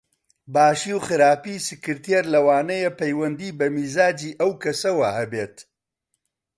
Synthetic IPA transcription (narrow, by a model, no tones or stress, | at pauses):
baːʃiːwxɨɾaːpiːsɨkɨɾt̪ijeɾlɐwaːnɐjepɐjwɐnd̪iːbɐmiːzaːd͡ʒiːʔɐwkɐsɐwɐhɐbeːt̪